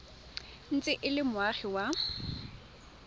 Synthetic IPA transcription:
n̩t͡sʼɪʔɪlɪmʊaχiwa

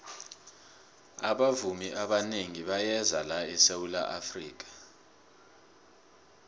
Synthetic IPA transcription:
a̰ɓavumiʔaɓaneŋiɓajɛzalaɛsewula̰ʔafrḭːk̬ḁ

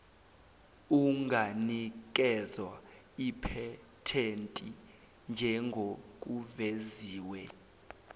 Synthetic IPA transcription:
uŋɡʱanik̬ʼɛzwa | ipʰɛ | tʰentʼi | nd͡ʒʱɛŋɡʱok̬ʼuveziːwɛ

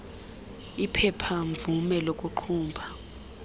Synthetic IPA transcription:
ipʰɛpʰaɱvumɛlokʼuǃʰuːmbʱa

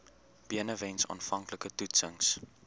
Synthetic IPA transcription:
b̥iənəvɛnsɑ̰ːnfɐŋkləkətutsəŋs

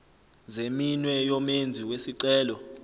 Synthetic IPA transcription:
zeminwɛjɔmend͡zʱiwesiǀɛːlɔ

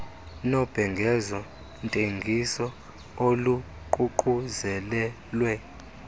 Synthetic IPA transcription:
nɔb̥ʱɛŋɡʱɛzɔ | ntʼeŋɡʱisɔ | olu | ǃʼuǃʼuzɛlɛ | lwɛ

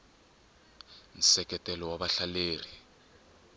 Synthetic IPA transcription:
n̩sɛkʼɛtʼɛlɔwaɓaɬaleːri

